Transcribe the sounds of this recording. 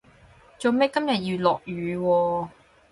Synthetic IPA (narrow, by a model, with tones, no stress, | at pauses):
t͡so˨wmɛː˥kɐ˥mjɐ˨t̚ji˧lɔː˨k̚jyː˨˧wɔː˧